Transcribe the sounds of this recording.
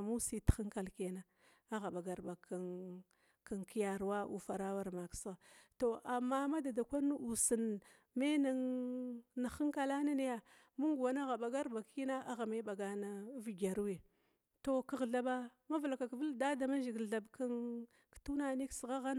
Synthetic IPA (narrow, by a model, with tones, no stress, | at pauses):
mu˦si˦txi˦ŋka˨lke˨na˦ | a˦ɣa˨ɓa˨ɡa˨ɾba˨kʰa˨ | ka˨ŋki˦ja˨ɾwa˦ʔṵ˨fa˨ɾa˦wa˦ɾma˨ksɣa˨to˨ʔa˨mːa˦ma˦da˨da˨kʷa˦n˦u˨si˨n | me˦na˨ŋ | na˨xi˦ŋka˨la˦na˦ni˦ja˦ | mu˦ŋɡa˨na˦ɣa˨ɓa˨ɡa˦ɾba˨ki˦na˦ʔa˦ɣa˨me˦ba˨ɡa˨na˦vi˨ɡa˨ɾu˦we˨ | to˨kə˨ɣɮa˨ba˦ma˦vla˨ka˨kvə˦lda˦da˨ma˦ʒi˨ɡə˨ɮa˨bka˦n | ktu˦na˦ni˦ksɣa˦ɣa˦n˨